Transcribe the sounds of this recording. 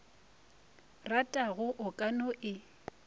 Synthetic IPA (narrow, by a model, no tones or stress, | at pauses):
ratʼaɣʊʔʊkʼanɔʔɪ